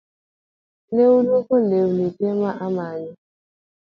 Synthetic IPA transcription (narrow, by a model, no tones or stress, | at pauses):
neulukolewunitemaʔamaɲʊ